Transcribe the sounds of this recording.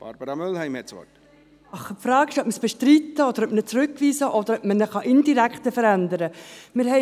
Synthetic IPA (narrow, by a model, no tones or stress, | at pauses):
b̥ɑ̰ɾb̥əɾɑmʏlhɛɪmhɛtsʋɔ̰t | ɑχəpfɾɑːɡɪʃœp̚məsb̥ɛʃtɾit̪əɔd̪əɾœpmənət͡sɾʉkːʋiːsəʔɔd̪əɾœpmənəχɑʔɪndiɾækχt̪əfəɾænd̪əɾəmɪɾhɛ